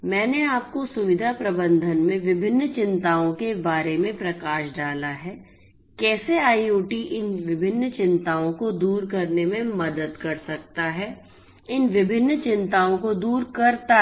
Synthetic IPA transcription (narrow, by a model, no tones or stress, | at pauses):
mɛ̃ːneaːp̚kosʊʋɪd̪ʱapɾɐbə̃nd̪ʱənmẽʋɪbʱɪnːt͡ʃɪ̃nt̪aːõkebaːɾemẽpɾɐkaːʃɖaːlaɦɛː | kɛːseaːioːʈiʔɪnʋɪbʱɪnːt͡ʃɪ̃nt̪aːõkod̪uːɾkɐɾnemẽmɐd̪əd̪kɐɾsɐk̚t̪aɦɛ | ɪnʋɪbʱɪnːt͡ʃɪ̃nt̪aːõkod̪uːɾkɐɾt̪a